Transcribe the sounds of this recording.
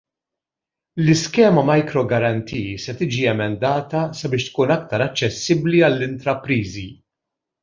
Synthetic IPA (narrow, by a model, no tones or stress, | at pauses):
lɪskɛːmɐmɐjkɾɔɡɐɾɐnt̪ʰiːsɛt̪iːd͡ʒiɛmɛnd̪ɐːt̪ɐsɐbɪːʃt̪kuːnɐk̚t̪ɐɾɐt͡ʃːɛsːɪbliɐlːɪnt̪ɾɐpɾiːzi